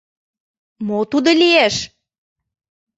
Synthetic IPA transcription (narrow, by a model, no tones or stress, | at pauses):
mot̪ud̪olieʃ